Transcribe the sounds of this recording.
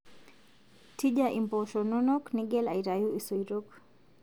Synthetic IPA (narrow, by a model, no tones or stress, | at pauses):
tʰid͡ʒaʔimpɔʃɔnɔnɔkniɡɛla̰iɾajuisojɾok